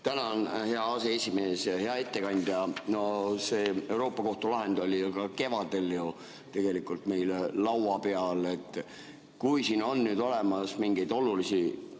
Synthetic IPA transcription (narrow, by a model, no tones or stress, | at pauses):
t̪ænɑnhe̞ɑɑse̞e̞sʲime̞ːshe̞ɑe̞t̪ːe̞kɑnʲd̪̥jɑno̞se̞ːe̞wɾo̞ːpːˑɑko̞ht̪ulɑɦe̞nd̪̥o̞lʲikɑke̞vɑd̪̥e̞lju | t̪e̞ɡ̥e̞likːˑult̪me̞jllɑwɑpe̞ɑle̞t̪ːˑ | kujsiːno̞nːyːd̪o̞le̞mɑsmiŋɡ̥ejd̪̥o̞lulisi